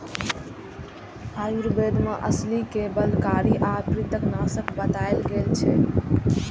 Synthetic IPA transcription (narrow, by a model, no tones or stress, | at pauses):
haːjuɾbed̪ʱmẽʔəslikebəlkaɾiʔapɾit̪əknasəkbət̪aelɡelt͡ʃʰɛ